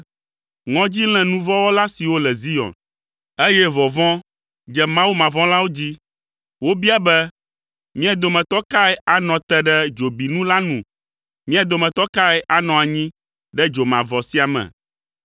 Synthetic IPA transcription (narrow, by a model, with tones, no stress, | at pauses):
ŋɔ̃˦d͡ʑi˦l̃ɛ̃˨nũ˦vɔ˦wɔ˦la˦si˨wo˦lɛ˨zi˦jɔ̰̃˨n | e˦jɛ˦vɔ˨vɔ̃˦ | d͡ʒɛ˦mã˦wu˦mã˨vɔ̃˦la˦wo˦d͡ʑi˦ | wo˦bi˦a˨bɛ˦ | mĩ˦a˨d̪o˨mɛ̃˨t̪ɔ˦ka˦ɛ˦ʔa˨nɔ̃˨t̪ɛ˦ɖɛ˦d͡ʒo˨bi˨nũ˦la˦nũ˨ | mĩ˦a˨d̪o˨mɛ̃˨t̪ɔ˦ka˦ɛ˦ʔa˨nɔ̃˨a˨ɲĩ˦ | ɖɛ˦d͡ʒo˨mã˨vɔ˨si˦a˨mɛ̰˨